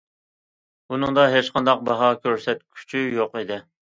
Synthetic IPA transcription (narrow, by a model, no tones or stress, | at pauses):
unɨŋd̪ɑɦet͡ʃqʰɑnd̪ɑq̚bɑɦɑkʲʰøɾsɛt̪̚kʲʰy̥t͡ʃʰyjoqid̪ɪ